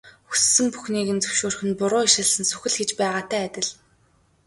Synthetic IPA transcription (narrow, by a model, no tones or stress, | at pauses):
xu̥sːɘ̆mpu̥xniːɣɘ̆nt͡sɵ̥wʃoːrxɘ̆npʊɾʊːiʃə̆ɮsɘ̆nsɵ̥xɘ̆ɮxet͡ɕpæːʁaːt̪ʰæːt̪ʲɪ̆ɮ